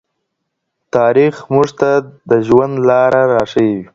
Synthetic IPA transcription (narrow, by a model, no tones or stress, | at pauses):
t̪ɑɾixmʊʐt̪ad̪əʒwand̪lɑɾaɾɑʂəwiwi